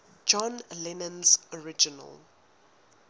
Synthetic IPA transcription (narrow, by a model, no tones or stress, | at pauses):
d͡ʒɔ̃nlɛnə̃nzɔɹɪd͡ʒɪnə̰l